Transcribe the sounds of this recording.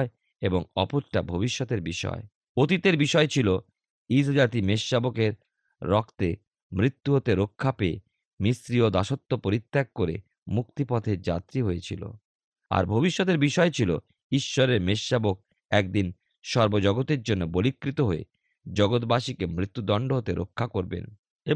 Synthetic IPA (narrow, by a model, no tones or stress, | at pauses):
e | eboŋɔ̰poɾʈabʱobiʃːot̪eɾbiʃɔ̰e | ot̪it̪eɾbiʃɔet͡ɕʰilo | isd͡ʑat̪imeʃːabokeɾː | ɔkʰt̪e | mɾit̪ːuɦot̪eɾokʰːapee | misɾiod̪aʃot̪ːopoɾit̪ːak̚kːoɾḛ | muk̚t̪ipɔt̪ʰeɾd͡ʑa̰t̪ɾiɦojet͡ɕʰḭlo̰ | a̰ɾbʱobiʃːot̪eɾbiʃɔet͡ɕʰilo̰ | iʃːɔɾeɾmeʃːabok̚ | ɛk̚d̪in | ʃɔɾbod͡ʑɔɡot̪eɾd͡ʑonːobolikːɾit̪oɦoḛ | d͡ʑɔɡot̪baʃikemɾit̪ːud̪ɔɳɖoɦot̪eɾʔo̰kʰːakoɾbḛn | e